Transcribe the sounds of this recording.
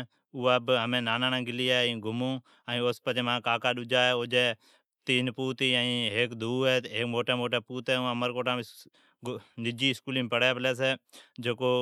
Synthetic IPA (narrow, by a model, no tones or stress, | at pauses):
uːaːbɦəmẽːnaːnaːnãːɡɪliːaːĩːɡʱʊmũː | aːĩːoːspət͡ʃeːmãːkaːkaːɗʊd͡ʒaːɛːʊd͡ʒeː | t̪iːnpuːt̪ĩːĩːɦeːkd̪ʱuːɛːeːkmoːʈeːmoːʈeːpuːt̪eːãːməɾkoːʈãː | nɪd͡ʒiːɪskuːlĩːmpəɽɛːpəlɛːs̬eːd͡ʒeːkoː